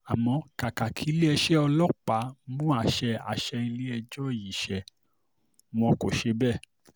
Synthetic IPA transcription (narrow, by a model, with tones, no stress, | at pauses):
a˨mɔ̃˧ka˨ka˨kʰi˨˦le˦ɛ˧ʃɛ˦ɔ˧lɔ˦k͡pa˨˦mũ˦a˧ʃɛ˧a̰˨ʃɛ˧ĩ˧le˦ɛ˧d͡ʒɔ˦˨ji˨ʃɛ˨ | m̃ɔ̃˧ko˨ʃe˧˦bɛ˦˨